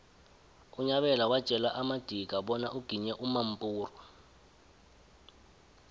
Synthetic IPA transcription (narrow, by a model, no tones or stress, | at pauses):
uɲaɓɛlawad̥t͡ʃʼɛlaʔamad̥ʱiɡ̥ʱaɓɔnaʔuɡ̥ʱiɲɛʔumam̩pʼuːrɔ